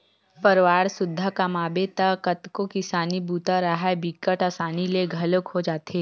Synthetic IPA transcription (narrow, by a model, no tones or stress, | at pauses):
pɐɾʋaːɾsʊd̪ʱːakamaːbet̪akət̪kokɪsaːnibuːt̪aɾəɦaebikəʈasaːnileɡʱɐlʊkɦod͡ʒaːt̪eː